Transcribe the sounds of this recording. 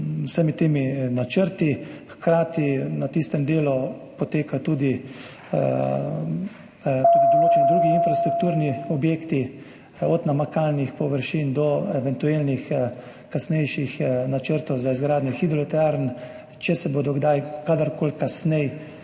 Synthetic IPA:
wsəmit̪eːminat͡ʃəɾt̪ixkɾaːt̪inat̪ist̪ɛmd̪eːlupɔt̪eːkat̪uːd̪i | t̪ud̪id̪ɔloːt͡ʃɛnid̪ɾuːɡiinfɾast̪ɾuk̚t̪uːɾniɔbjeːkt̪i | ɔd̪namakaːlnixpɔʋəɾʃind̪ɔɛʋɛnt̪uelnix | kasnɛjʃixnat͡ʃəɾt̪ɔwzaizɡɾaːd̪njɛxid̪ɾɔt̪ɛaɾn | t͡ʃɛsɛboːd̪ɔɡd̪ajkaːd̪aɾkoːlkasnɛj

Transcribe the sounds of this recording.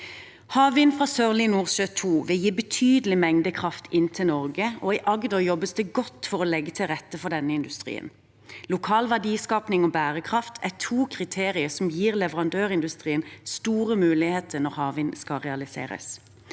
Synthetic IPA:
hɑːʋɪnfʁɑːsøːʁlɪnuːʁʃøːt̪ʰuːʋɪljiːbət̪ʰyːd̪əlɪmɛŋd̪əkʰʁɑft̪ʰɪnt̪ʰɪlnɔʁɡəɔiʔɑɡd̪ɔjɔbəsd̪ɛɡɔt̪ːfɔʁɔlɛɡət̪ʰɪlʁɛt̪ːəfɔd̪ɛnːəɪnd̪ʉst̪ʁḭːə̰n | lʊkʰɑːlʋæd̪iːskɑːpnɪŋoːbæːʁəkʰʁɑft̪ʰæt̪ʰuːkʰʁɪt̪ʰeːʁɪəsɔmjiːʁlɛʋəʁɑnd̪øːʁɪnd̪ʉst̪ʁiːənst̪uːʁəmʉːlɪheːt̪ʰənɔʁhɑːʋɪnskɑlʁɛɑlɪsḛːʁə̰s

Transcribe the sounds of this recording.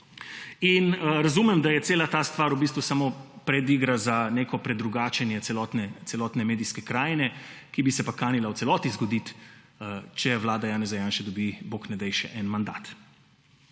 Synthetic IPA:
inɾazumɛmd̪ajɛt̪seːlat̪aːst̪ʋaːɾubis̬t̪ʋusamopɾɛd̪iɡɾazaneːkɔpɾɛd̪ɾuɡaːt͡ʃɛnjɛɛlɔt̪nɛt̪sɛlɔːt̪nɛmeːd̪iskɛkɾaːjnɛ | kibisɛpakaːnilaw̪sɛlɔːt̪izɡɔd̪it̪ | t͡ʃɛʋlaːd̪ajaːnɛzajaːnʃɛd̪ɔbiboknɛd̪ɛjʃɛʔɛnmand̪a̰ːt̪

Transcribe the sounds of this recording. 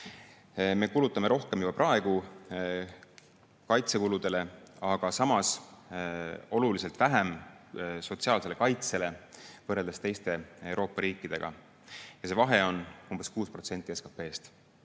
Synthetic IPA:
me̞kulut̪ːˑɑme̞ɾo̞hke̞mjub̥ɑprʔɑe̞ɡ̥u | kɑjt̪se̞kulud̪̥e̞le̞ɑɡ̥ɑsɑmɑs | o̞lulise̞lt̪væɦæm | so̞t̪siɑːlse̞le̞kɑjt̪se̞le̞vɤrːe̞ld̪est̪e̞jst̪e̞ewɾo̞ːpːˑɑɾiːkˑːid̪̥e̞̰ɡ̥ɑ̰ | jɑse̞vɑɦe̞o̞numb̥e̞skuːspro̞t̪se̞nt̪ːˑieskɑpːe̞ːst̪

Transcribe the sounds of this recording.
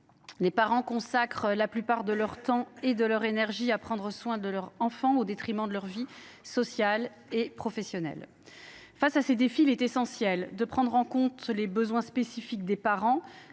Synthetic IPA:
lepaʁɑ̃kɔ̃sakχəlaplypaʁd̪əlœʁt̪ɑ̃ed̪əlœʁenɛʁʒiapχɑ̃d̪ʁəswɛ̃d̪əlœʁɑ̃fɑ̃od̪et̪χimɑ̃d̪əlœʁvisɔsjal | epχɔfɛsjɔnɛ̰l | fasased̪efilɛt̪esɑ̃sjɛld̪əpχɑ̃d̪ʁɑ̃kɔ̃t̪lebəzwɛ̃spesifik̚d̪epaʁɑ̃

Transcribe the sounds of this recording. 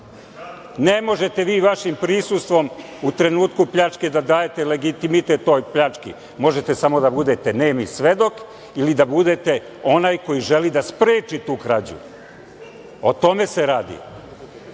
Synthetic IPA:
nemo̞ʒe̞t̪e̞ʋiːʋaʃimpɾisust̪ʋo̞m | ut̪ɾe̞nuːt̪kupʎat͡ʂked̪ad̪aːje̞t̪ele̞ɡit̪imit̪et̪ːo̞ːjpʎat͡ʂkḭ | mo̞ʒet̪e̞samo̞d̪abud̪e̞t̪eneːmisʋe̞d̪o̞k | ilid̪abud̪e̞t̪e̞ | o̞najko̞jiʒe̞lid̪aspɾeːt͡ʃit̪uːkɾad͡ʑṵ | o̞t̪o̞me̞seɾaːd̪ḭ

